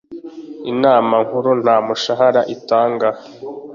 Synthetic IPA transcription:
inaːmaŋ̥huɾun̥haːmuʃaɦaɾaʔitaːŋɡa

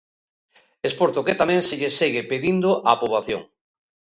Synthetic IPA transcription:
espoɾt̪oket̪amɛ̃ŋseʎeseɣɪpeðind̪ʊʔapoβaθjo̰ŋ

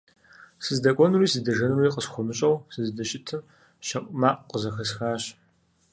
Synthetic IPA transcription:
sɨzdɐkʷʼɔnuɾiːsɨdɐʒɐnriːqʼəsχʷɔmɨɕʼɐwsɨzdɐɕʼɪtʰɨm | ʃɐqʼmaːqʼqəzɐxɐsxaːɕ

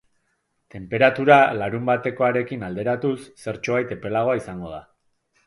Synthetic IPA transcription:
t̪e̞mpe̞ɾat̪uɾalaɾumbat̪e̞ko̞aɾe̞kinald̪e̞ɾat̪usːe̞ɾt͡ʃoβajt̪e̞pe̞laɣ̞o̞aisaŋɡo̞ð̞a

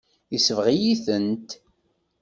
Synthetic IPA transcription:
isəvʁijiθənt̪

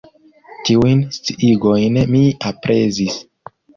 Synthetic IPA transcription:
tiujnst͡siʔiɡojnmiapɾʔezis

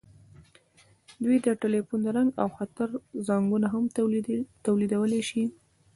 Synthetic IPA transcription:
d̪wid̪əʈelefund̪əɾaŋɡa̰wxat̪əɾzɑŋɡunaɦamt̪awlid̪awəleʃi

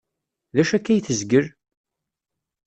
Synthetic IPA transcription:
ðæʃækːæjθəzɡəɾ

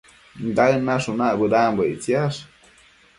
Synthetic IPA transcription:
nd̪anːaʂunaʔbəd̪ambəit͡sjaʂ

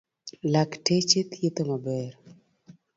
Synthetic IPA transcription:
laktet͡ʃet̪jet̪omabɛɾ

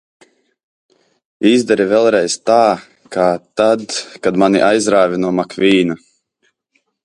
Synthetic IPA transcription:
izd̪ɛɾivʲɛlˠɾɛjst̪aː | kaːt̪ad̪kad̪manḭʔajzɾaːvʲinuɔmakvʲiːna

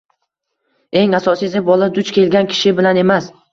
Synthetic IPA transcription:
e̞ŋasɒsid̪ebɒlˠad̪ʊt͡ʃkʲʰe̞lɡʲankʲʰɪ̥ʃɪbɪlane̞mas

